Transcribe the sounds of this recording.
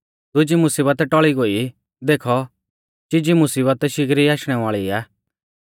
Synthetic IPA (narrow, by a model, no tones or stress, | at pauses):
d̪ʊd͡ʒimʊsiːbət̪ʈɔɭiɡoːi | d̪eːkʰɔ | t͡ʃid͡ʒimʊsiːbət̪ʃɪɡɾiaːʃɽ̃ɛʋaːɭiaː